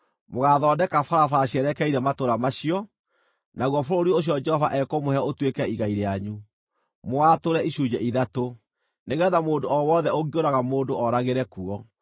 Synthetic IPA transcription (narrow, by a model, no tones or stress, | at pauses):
moɣaðɔːdɛkafaɾafaɾaɕiɛɾɛkɛiɾɛmatoɾamaɕiɔ | naɣwɔfoɾoɾioɕ̬iɔd͡ʒɛhɔvaʔɛkomohɛotwekɛiɣaiɾeaɲu | moatoɾɛiɕud͡ʑɛʔiðato | neɣɛðamoːndoɔwɔðɛoɣɡioɾaɣamoːndoɔɾaɣeɾɛkuɔ